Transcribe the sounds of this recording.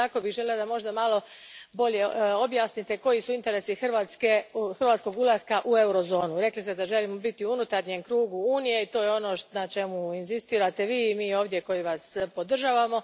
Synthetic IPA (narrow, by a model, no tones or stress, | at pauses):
ako̞biɣʒelilod̪amo̞ʒd̪amalˠo̞bo̞ʎe̞o̞bjaːsnit̪e̞ko̞jisuint̪e̞ɾe̞sixr̩ʋaːt̪skexr̩ʋat̪sko̞ɡulˠaskaʔue̞uɾo̞zo̞ːnuɾe̞klist̪ed̪aʒe̞limo̞bit̪iuunut̪aɾɲemkɾuːɡuuːnije̞it̪o̞ːjeo̞no̞nat͡ʃe̞muinzist̪iːɾat̪e̞ʋiːmiːo̞ːʋd̪je̞ko̞jiʋaspo̞d̪r̩ʒaːʋamo̞